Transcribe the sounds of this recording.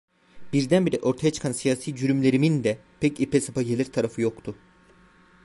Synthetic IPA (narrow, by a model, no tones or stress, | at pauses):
b̥iɾd̪ænbiɾɛʔo̞ɾt̪ʰajat͡ʃʰɯ̥kʰansijaːsiːd͡ʒyɾymlʲe̞ɾimind̪ɛ | pʰɛcipɛsapaɟe̞lʲiɾt̪ʰaɾafɯjo̞kt̪ʰʊ